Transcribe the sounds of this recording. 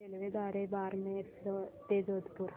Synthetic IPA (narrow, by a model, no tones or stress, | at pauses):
elʋed̪aːɾebaːɾmẽst̪eːd͡ʒoːd̪puɾ